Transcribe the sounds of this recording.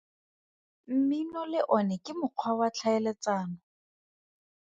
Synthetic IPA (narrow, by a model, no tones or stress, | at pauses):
m̩minɔlɪʔɔnɛkʼɪmʊq͡χʰwawat͡ɬʰaɛlet͡saːnɔ